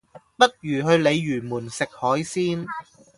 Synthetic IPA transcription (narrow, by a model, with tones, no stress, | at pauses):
pɐ˥t̚jyː˨˩ɦɵ˧ɥle˨˧jːyː˨˩muː˨˩nsɪ˨k̚hɔː˨˥jsiː˥n